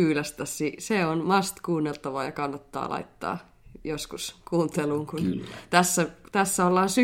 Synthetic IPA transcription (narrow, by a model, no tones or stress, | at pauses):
yːlæst̪æssiseonmɑst̪kuːnːelt̪ɑʋɑːjɑkɑnːɑt̪ːɑ̰ːlʔɑ̰it̪ːɑ̰ː | joskuskuːnt̪eluːŋkunt̪æsːæt̪æsːæolːɑːnsy